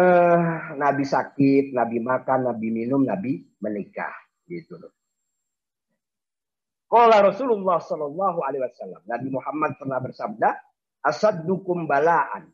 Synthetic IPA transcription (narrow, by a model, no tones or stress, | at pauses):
əhnabisakɪt̪̚nabimakanːabiminʊmnabi | mənika̰h | ɡit̪ulʊ | kɔlaɾɔsululːɑhsɔlɔlːɑɦualewasalːamnabimuhamːad̪̚k̪ərnahbərsab̚da | ʔaʃad̪ːukʊmbalaʔa̰n